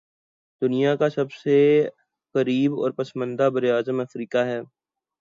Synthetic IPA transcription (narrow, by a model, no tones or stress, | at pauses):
d̪ʊnijakasɐbse | kɐɾiːbɔ̰ːɾpɐsmə̃nd̪abɐɾeaːzəmɐfɾiːkaɦɛː